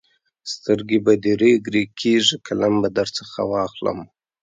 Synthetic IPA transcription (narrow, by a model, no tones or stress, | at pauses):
st̪əɾɡebad̪iɾeɡɾekʰeʐikʰalambad̪aɾt͡səxa̰wɑxlə̰m